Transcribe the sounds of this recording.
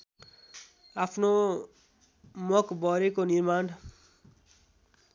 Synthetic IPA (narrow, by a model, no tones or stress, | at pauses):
apʰno | mɔkbɔɾekoniɾmaːn